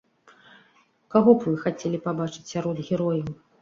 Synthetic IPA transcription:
kaɣɔbvɨxat͡sʲelʲipabat͡ʂɨ̥t͡sʲsʲaɾɔd̪ɣʲɛɾɔjɐw

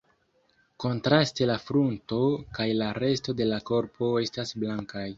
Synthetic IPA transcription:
ko̞ntɾaste̞lafɾunto̞kajlaɾe̞sto̞de̞lako̞ɾpʰo̞e̞stasblaŋkaj

